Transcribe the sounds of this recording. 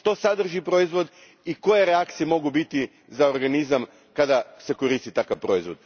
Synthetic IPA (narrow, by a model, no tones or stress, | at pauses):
ʃt̪o̞sad̪r̩ʒipɾo̞izʋo̞d̪ | iko̞jeɾeakt̪sijemo̞ɡubit̪i | zaoɾɡanizam | kad̪ase̞ko̞ɾist̪it̪akaʋpɾo̞izʋo̞d̪̥̚